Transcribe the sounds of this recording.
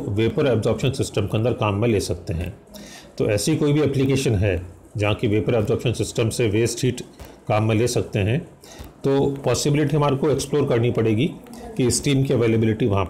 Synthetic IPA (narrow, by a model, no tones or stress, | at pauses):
ʋeːpəɾɛbzɔːɾpʃənsɪsʈəmkeɐ̃nd̪əɾkaːmːẽleːsɐk̚t̪eɦɛ̰̃ː | t̪o̰ʔɛːsiikoːibʱiɛplikeːʃənɦɛ | d͡ʒɐɦãkiʋeːpəɾɛːbzɔːpʃənsɪsʈəmseʋeːsʈʰiːʈkaːmːẽleːsɐkt̪eɦɛ̃ | t̪oːpɔːsɪbɪlɪʈiɦɐmaːɾkoeksploːɾkɐɾnipɐɽeːɡikiɪsʈiːmkiɐʋeːlebɪlɪʈiʋɐɦãp